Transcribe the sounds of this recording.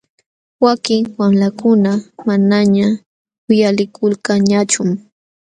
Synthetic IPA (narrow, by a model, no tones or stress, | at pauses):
wakɪŋwamlakʊnamanaɲa | ʊjalɪkʰʊlkaɲat͡ʃʊm